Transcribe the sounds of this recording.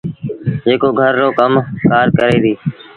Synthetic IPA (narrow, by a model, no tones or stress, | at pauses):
d͡ʒeːkoːɡʱəɾːoːkəmkaːɾkəɾeːd̪iː